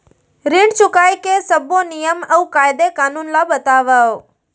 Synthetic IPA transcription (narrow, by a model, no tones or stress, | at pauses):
ɾɪɳɖt͡ɕʰʊkaːikesɐbonijəmɛ̃ːkaːɪd̪ekaːnuːnlaɓɐt̪aːʋaːoː